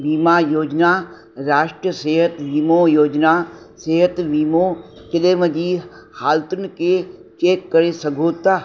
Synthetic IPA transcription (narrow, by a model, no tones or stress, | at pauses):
biːmajoːd͡ʒnaː | ɾaːʃʈɾəseːɦət̪ʋiːmojoːd͡ʒna | seːɦət̪ʋiːmokɪleːməd͡ʑiː | haːlt̪ʊnɪ̆ket͡ʃeːkːɐɾesɐɡʱoːt̪aː